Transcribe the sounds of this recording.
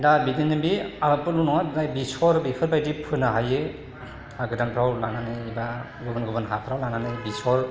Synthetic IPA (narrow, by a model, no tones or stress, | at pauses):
dabidinɯbiabɯpɯlunɔŋadajbisɔɾbipʰɯɾbajdipʰɯnaɦajɯ | aɡɯdanpʰɾawlananɯjiba | ɡɯbɯnɡɯbɯnɦapʰɾawlananɯjbisɔɾ